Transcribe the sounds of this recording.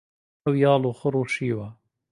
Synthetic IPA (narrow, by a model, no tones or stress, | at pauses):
wjɑːloxʊɾoʃiwa